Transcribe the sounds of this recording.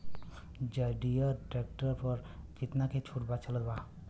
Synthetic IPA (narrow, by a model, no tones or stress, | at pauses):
d͡ʒəɖijəʈɾek̚ʈəɾpəɾt͡ʃɪt̪naket͡ʃʰuʈbat͡ʃələt̪ba